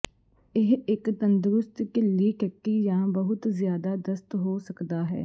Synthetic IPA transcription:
ɪɦɪkt̪ənd̪ɾʊst̪kliːkəkːiːjãːbəɦʊt̪zɪjaːd̪aːd̪əst̪ɦoːsəkd̪aːɦɛ̰ː

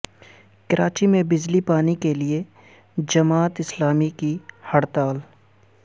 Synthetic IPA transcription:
kɐɾʔaːt͡ʃimẽbɪd͡ʒlipaːnikelie | d͡ʒɐmaːt̪ɪslaːmikihɐɽt̪aːl

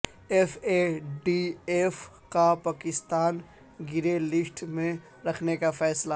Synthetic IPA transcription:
efeɖief | kapaːkɪst̪aːn | ɡɪɾelɪsʈmẽ | ɾɐkʰnekafɛːsla

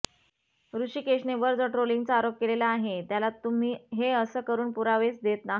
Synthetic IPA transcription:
ɾuɕiːkeɕneʋəɾd͡zəʈɾoliŋɡt͡saːɾop̚kelelaːɦet̪jalat̪um̤iːɦeəsəkəɾuːnpuɾaʋesd̪et̪naɦ

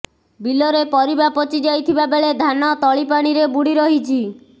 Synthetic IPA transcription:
bilɔɾepɔɾibapɔt͡ʃid͡ʒajt̪ʰibabeɭed̪ʱanɔt̪ɔɭipaɽ̃iɾebuɽiɾɔɦit͡ʃʰi

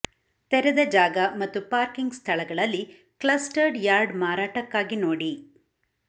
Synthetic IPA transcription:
t̪ɛɾɛd̪ɐd͡ʒaːɡɐmɐt̪ːupaːɾkiŋɡst̪ʰɐɭɐɡɐɭɐlːi | kɭɐsʈɐɾɖjaːɾɖmaːɾaːʈɐkːaːɡinoːɽi

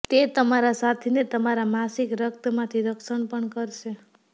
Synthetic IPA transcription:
t̪et̪əmaɾasat̪ʰinet̪əmaɾamasikɾək̚t̪mãt̪ʰiɾəkʃəɳpəɳkəɾʃe

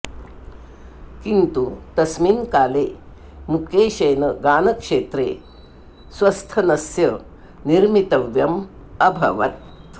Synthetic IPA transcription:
kint̪ut̪ɐsmiːnkaːleː | mukeːʃɐjnɐɡaːnɐkʂeːt̪ɾḛː | sʋɐst̪ʰɐnɐsjɐ | niɾmit̪ɐʋjɐm | ɐbʱɐ̰ʋɐt̪

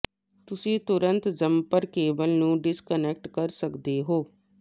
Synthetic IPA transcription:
t̪ʊsĩːt̪ʊɾənt̪zəmpəɾkeːbəlnũːɖɪskənɛk̚ʈkəɾsəkd̪eːɦoː

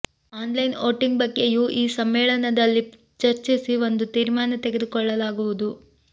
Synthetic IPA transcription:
aːnlɐjno̞ːʈiŋɡbɐɡːejuʔiːsɐmːɛːɭɐnɐd̪ɐlːi | t͡ʃɐɾt͡ʃisiʋo̞nd̪ut̪iːɾmaːnɐt̪eɡed̪ukɔɭːɐlaːɡuʋud̪u

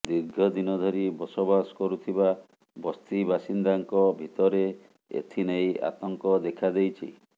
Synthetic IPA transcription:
d̪iɾɡʱɔd̪inɔd̪ʱɔɾibɔsɔbaskɔɾut̪ʰiba | bɔst̪ibasind̪aŋkɔbʱit̪ɔɾe | ḛt̪ʰineja̰t̪ɔŋkɔd̪ekʰad̪ejt͡ʃʰḭ

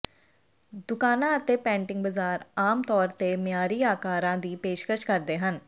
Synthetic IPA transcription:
d̪ʊkaːnãət̪epɛ̃ːɳʈɪ̃ŋɡ̚bəzaːɾaːmt̪ɔːɾt̪emjaːɾiːaːkaːɾãːd̪iːpeːʃkəʃkəɾd̪eːɦən

